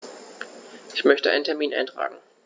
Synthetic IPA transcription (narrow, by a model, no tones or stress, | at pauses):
ʔɪçmœçtəʔa̰ɪnəntʰɛɐmiːnʔa̰ɪntʁ̥a̰ːɡŋ̩